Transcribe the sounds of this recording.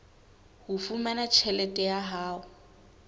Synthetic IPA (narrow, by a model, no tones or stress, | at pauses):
hʊfumanat͡ʃʰɛlɛtʼɛjaɦaːʊ